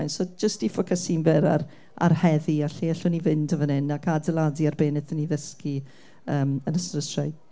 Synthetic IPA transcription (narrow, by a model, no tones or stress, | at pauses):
jnsod͡ʒəstifɔkʰəsinvɛɾa̰r | a̰rhɛðiaɬiɛɬʊnivɪndəvɔnɪnakʰadəlˠadiarbeːnɪθəniðəski | əːmənəsrəstrajɡ